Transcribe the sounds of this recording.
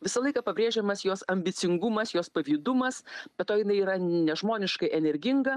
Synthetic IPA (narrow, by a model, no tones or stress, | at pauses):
ʋʲɪsɐlˠɐɪkɐpɐbʲɾʲeːʒʲɛmɐsjoːsɐmʲbʲɪt̪sʲɪŋɡʊmɐsjoːspɐʋʲiːd̪ʊmɐsbʲɛt̪t̪ːoːjɪnɐɪiːɾɐnʲɛʒmoːnʲɪʃkɐɪʔɛnʲɛɾʲɡʲɪŋɡɐ